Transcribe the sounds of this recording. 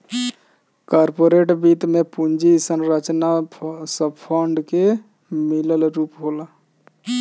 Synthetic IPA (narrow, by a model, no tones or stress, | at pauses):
kɔɾpoɾeʈbit̪mepund͡ʒisənɾət͡ʃnasəbpʰəɳɖke | miləlɾupɦola